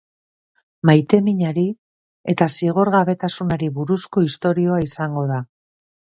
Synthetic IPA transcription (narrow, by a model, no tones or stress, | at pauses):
majt̪e̞miɲaɾi | e̞t̪asiɣ̞oɾɣaβe̞t̪asunaɾiβuɾusko̞ist̪o̞ɾio̞aisaŋɡo̞ða